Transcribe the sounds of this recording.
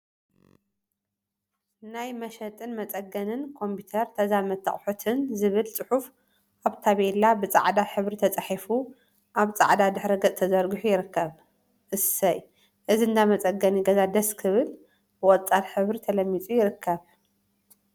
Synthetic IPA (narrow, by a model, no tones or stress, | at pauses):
najmɐʃɐt̪ʼɨnmɐt͡sʼɐɡɐnɨnkʰo̞mpit̪ʰɐɾt̪ʰɐzamɐt̪ʰːɐ̰χʼħut̪ʰɨnzɨβɨlt͡sʼɨħuf | ʔaβt̪ʰaβelabɨt͡sʼa̰ʕd̪aħɨβɾit̪ʰɐt͡sʼaħifu | ʔaβt͡sʼa̰ʕd̪ad̪ɨħɾiɡɐt͡sʼt̪ʰɐzɐɾɡuħujɪɾɨkʰːɐβ | ʔɨsɐj | ʔɨziɨnd̪amɐt͡sʼɐɡɐniɡɐzad̪ɐskʰɨβɨl | bɨʔʼɔt͡sʼat̪ħɨβɾit̪ʰɐlɐmːit͡sʼujɪɾɨkʰːɐβ